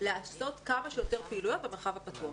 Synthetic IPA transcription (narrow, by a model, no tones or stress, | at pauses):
leaso̞tkamaʃejote̞ʁpiiːlujabemeʁχavhapatuɐ